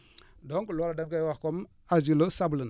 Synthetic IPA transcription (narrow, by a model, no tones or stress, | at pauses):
doŋkulaɾadaɡajwakom | ad͡ʒilosabulən